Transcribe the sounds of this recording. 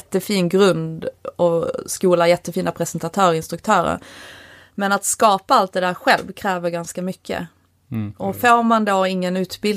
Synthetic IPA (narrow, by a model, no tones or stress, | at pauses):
t̪ːəfiːnɡɾɵnd̪ɔskuːlajɛt̪ːəfiːnapʰɾɛsɛnt̪at̪ʰœːɾɪnst̪ɾɵk̚t̪ʰœːɾə̰ɾ | mɛnat̪skɑːpaalt̪̚d̪ɛd̪æːɾɧɛlvkʰɾɛːvəɾɡanskamʏkʰːə̰ | ɔfoːɾmand̪oːɪŋːənʉ̟ːt̪bɪl